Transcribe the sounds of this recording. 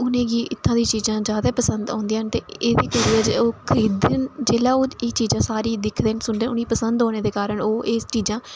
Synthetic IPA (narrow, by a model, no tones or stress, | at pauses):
ʊnẽːɡiːɪt̪ʰːãːd̪ĩːt͡ʃiːzãːzjaːd̪aːpəsənd̪a̰ːnd̪iːaːnt̪eːeːd̪eːkəɾiːɛd͡ʒoːkʰəɾiːd̪ənd͡ʒeːlaːoːeːt͡ʃiːzãːsaːɾiːd̪ɪkʰd̪eːnsʊɳɖẽːʊniːpəsənd̪ɦoːɽ̃eːd̪eːkaːɾəɳoːeːst͡ʃiːzãː